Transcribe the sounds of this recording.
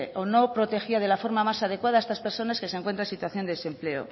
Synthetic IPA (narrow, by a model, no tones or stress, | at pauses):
ʔono̞pɾo̞t̪e̞xiað̞e̞lafo̞ɾmamasað̞e̞kwaðaest̪aspe̞ɾso̞naske̞seŋkwe̞nt̪ɾansit̪waθjo̞nd̪eese̞mple̞o̰